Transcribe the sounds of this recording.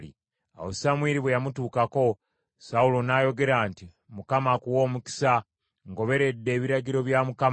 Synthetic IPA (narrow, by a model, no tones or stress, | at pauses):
ḭ | a̰wosamwiːɾiβwejamutuːkako̞ | saulo̞najo̞ɡe̞ɾaːnti | mukamakuwo̞ːmuki̥sa | ŋɡo̞βe̞ɾe̞dːe̞ːβiɾaɟiɾo̞βjamukam